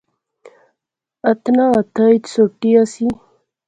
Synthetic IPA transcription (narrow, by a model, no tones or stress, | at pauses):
at̪naːt̪ajt̪soʈiasi